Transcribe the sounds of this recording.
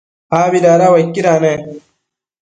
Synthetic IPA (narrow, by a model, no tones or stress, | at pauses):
aːbidaːɾawɐkːiɾaːne